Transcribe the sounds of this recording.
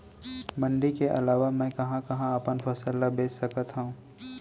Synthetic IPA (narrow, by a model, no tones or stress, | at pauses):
mɐ̃ɳɖikeʔɐ̰laːʋamɛ̃kɐɦãkɐɦãɐpənfʰɐsəlabeːssɐkət̪ɦɐũː